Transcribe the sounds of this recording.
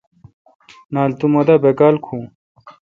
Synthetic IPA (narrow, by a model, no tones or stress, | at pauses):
naːlt̪umɐd̪ɐbekaːlkʰũː